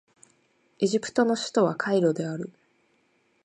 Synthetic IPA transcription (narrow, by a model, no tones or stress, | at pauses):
e̞ʑipɯ̟̥t̪o̞no̞ɕɨ̥t̪o̞β̞akʰaiɾo̞d̪e̞aɾɯ̟